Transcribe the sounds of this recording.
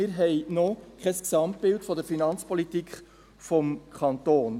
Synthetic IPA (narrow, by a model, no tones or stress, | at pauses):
ɪɾɦɛɪnɔkχɛsksɑmtb̥ɪltfɔd̪əɾfinɑnt͡spʰɔlitikχ | fɔmkʰχɑntoːn